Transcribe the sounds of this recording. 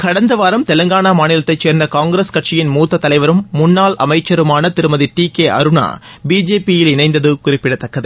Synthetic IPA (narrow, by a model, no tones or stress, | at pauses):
kɐɽɐnd̪ɐʋaːɾɐmt̪ɛlɐŋɡaːɳamaːnɪlɐt̪ːɐɪt͡ʃːeːɾnd̪ɐkaːŋɡɾeskɐʈ̚t͡ʃɪjɪnmuːt̪ːɐt̪ːɐlɐɪʋɐɾɯmːʊnːaːlʔɐ̰mɐɪt͡ʃːɐɾɯmaːnɐt̪ɪɾɯmɐðiʈiːkeːʔɐ̰ɾɯɳa̰ː | biːd͡ʒeːpijɪlɪnɐɪnd̪ɐðɯkʊrɪpːɪɽɐt̪ːɐkːɐðɯ